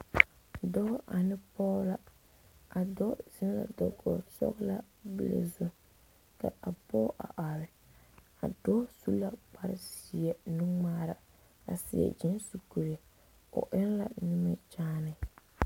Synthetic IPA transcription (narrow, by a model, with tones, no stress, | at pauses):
dɔ˦ʔa˨nɪ˦pɔː˦la˦ | a˨dɔ˦z̥ɪ˦n˦la̰˨dɔ˨ɡɔ˨sɔ̰˦ɣla˦ | bɨ˦la̰˨zʊ˦ | ka̰˨a˨bɔː˦ʔa̰˨ʔa˨ɾɪ˨ | a˨dɔ˦su˦la˦k͡pa˦ɾɪ˦si˨ɛ˨nu˦ŋ͡maː˦ɾa˨ | a̰˨sɪ̰˨ɛ̰˨d͡ʒɪ˦nsu˨ku˨ɾe˨ | ʊ̰˨ʔɪ˦n˦la̰˨nu˦mɛ˦t͡ʃaː˦nɪ˨